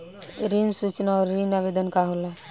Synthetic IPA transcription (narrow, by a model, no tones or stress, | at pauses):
ɾinsut͡ʃnaɔɾːinabed̪ənkaɦola